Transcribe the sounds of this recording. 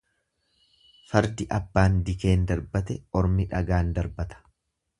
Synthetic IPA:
fɐɾd̪ɪʔɐbːaːnd̪ɪke̞ːnd̪ɐɾbɐt̪ɛɔɾmɪᶑɐɡaːnd̪ɐɾbɐt̪ɐ̥

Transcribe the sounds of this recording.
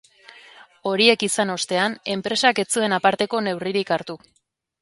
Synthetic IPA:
o̞ɾie̞kisano̞st̪e̞ane̞mpɾe̞sake̞t͡sue̞napaɾt̪e̞ko̞ne̞wriɾikaɾt̪u

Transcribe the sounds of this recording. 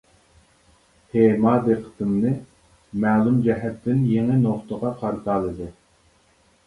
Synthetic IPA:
hemɑːd̪eqʰə̥t̪ʰɨmnɨ | mæːlˠumd͡ʒɛɦɛt̪ʰːɪnjeŋɨnoχt̪əʁɑqʰɑɾɨt̪ʰɑːlˠɨd̪ɨ

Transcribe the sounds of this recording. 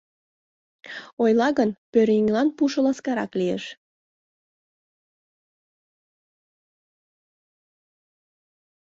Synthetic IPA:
ojlˠɑɣənpøɾiŋlɑnpuʃə̆lɑskɑɾɑklijḛʃ

